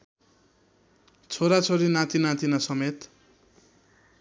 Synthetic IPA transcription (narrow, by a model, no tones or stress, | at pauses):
t͡sʰoɾat͡sʰoɾinãt̪inãt̪inasʌmet̪